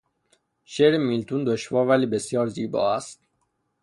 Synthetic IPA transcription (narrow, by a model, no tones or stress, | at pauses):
ʃeɾemilt̪ʰuːnd̪oʃvɒːɾvæliːbe̞sjɒːɾziːbɒ̰ːæst̪̚